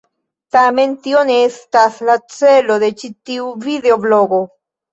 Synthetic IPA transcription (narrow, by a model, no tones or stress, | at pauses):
t̪ament̪ionest̪aslat͡seloðet͡ʃit̪iuviðeoβloɡo